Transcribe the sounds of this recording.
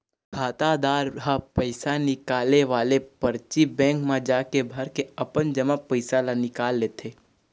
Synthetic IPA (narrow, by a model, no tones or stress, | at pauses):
kʰaːt̪ad̪aːɾɦapəɪsanɪkaːleʋaːlepəɾt͡ʃibɛ̃ːŋkmãd͡ʒaːkebʱəɾkeəpənd͡ʒəmapəɪsalanɪkaːlːeːt̪ʰeː